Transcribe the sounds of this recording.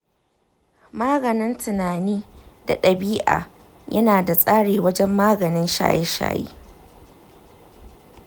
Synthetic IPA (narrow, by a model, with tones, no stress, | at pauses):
maː˦ɡɐ˨nɪ˦ntʰʊ˨naː˨niː˦d̥a̰˨ɗɐ˨biː˦ʔa̰ː˨ | jɐ˦naː˨da˨sʼaː˦ɽeː˨wɐ˦d͡ʒɛ˦mːaː˦ɡɐ˨nɪ˦nʃa̰ː˦jɛ˦ʃa̰ː˦jḛː˦